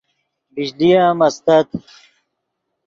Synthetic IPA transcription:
bid͡ʑlijaːmɐst̪ɐt̪

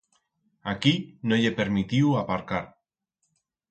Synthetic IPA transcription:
akinoʎepeɾmit̪iwapaɾkaɾ

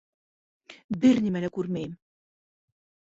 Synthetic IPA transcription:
bɘ̆ɾnʲimælækʉɾmæjɘm

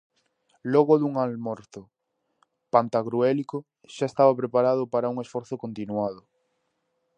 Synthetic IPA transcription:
lɔɣoðuŋalmɔɾθo | pant̪aɣɾuɛliko | ʃaest̪aβapɾepaɾaðʊpaɾauŋesfɔɾθokont̪inuað̞ʊ

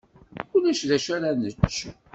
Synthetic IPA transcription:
ʊlæʃðæʃæɾænət͡ʃː

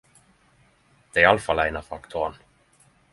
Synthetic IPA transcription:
d̪̥ɛɪalafalæɪnafakt̪ʰon

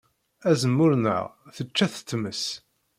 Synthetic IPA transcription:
æzəmːʊɾnə̰ʁθət͡ʃːæθə̥t̪ːməs

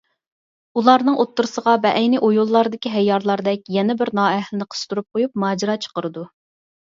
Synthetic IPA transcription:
ulˠɑɾnɨŋʔot̪ːuɾɨsəʁɑvɛʔɛjnɪʔojulˠːɑɾd̪ɪkʲiɦɛjːɑɾlˠɑɾd̪ɛk̚ʲjɛnɪbɪɾnɑːɛhlɪnɪqʰə̥st̪uɾup̚qʰojup̚mɑːd͡ʒɪɾɑt͡ʃʰə̥qəɾɨd̪u

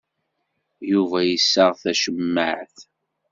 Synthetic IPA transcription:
juvæjəsːəʁθæʃəmːəʕθ

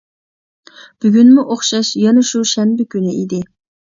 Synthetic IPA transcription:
b̥yɡʲynmuʔoχʃɑʃjɑnɨʃuʃɛmbɪkʲynɪid̪ɪ

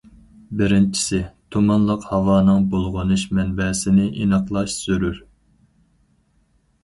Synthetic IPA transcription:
bɪɾɪnt͡ʃʰi̥sɪt̪ʰumɑnlˠəqhɑwɑːnɨŋbolˠʁʊnɨʃmɛnbɛsɪnɪʔinɑqlˠɑʃsyɾyɾ

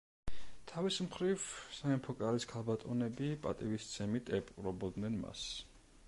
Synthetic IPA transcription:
t̪ʰavismχɾivsaɛmpʰɔkʼaɾiskʰalˠbat̪ʼɔnɛbipʼa̰t̪ʼivist̪sʰɛmit̪ʰʼɛpʼuɾɔbɔd̪nɛnma̰s

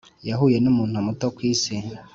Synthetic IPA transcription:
jaɦujenumuːn̥huomutokwiːsi

